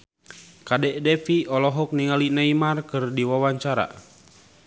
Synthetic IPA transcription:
kadɛʔdɛfiɔlɔɦɔk̚niŋalinaimarkɨrdiwawaɲt͡ʃaɾa̰

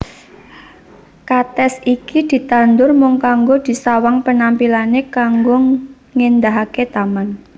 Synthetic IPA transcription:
kat̪ɛsikid̪̥i̤t̪and̪ʊrmʊŋkaŋɡod̪̥i̤sawaŋpənampilanekaŋɡʊ | ŋend̪aɦaket̪aman

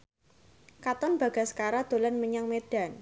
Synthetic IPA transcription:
kat̪ɔnb̥a̤ɡ̥a̤sə̥kaɾad̪̥o̤lɔnməɲaŋmed̥a̤n

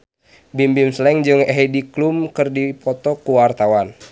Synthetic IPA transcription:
bimbimslɛŋd͡ʒɨŋɛɦɛdiklumkɨrdipɔt̪ɔkuwart̪awan

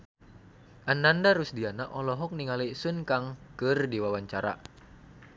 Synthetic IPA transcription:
ʔanːandaɾusdianaʔɔlɔɦɔk̚niŋalisunkaŋkɨrdiwawaɲt͡ʃaɾa̰

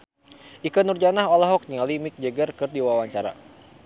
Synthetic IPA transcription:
ʔikanurd͡ʒanaɦɔlɔɦɔk̚ɲalimik̚d͡ʒəɡərkɨrdiwawaɲt͡ʃaɾa̰

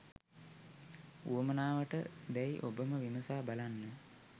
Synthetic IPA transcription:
uəmənaːʋəʈəd̪æjʔobəməʋiməsaːbalanːə

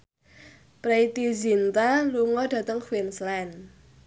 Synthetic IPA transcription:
pɾeit̪izint̪aluŋɔɖ̥ä̤t̪əŋkwinslɛn

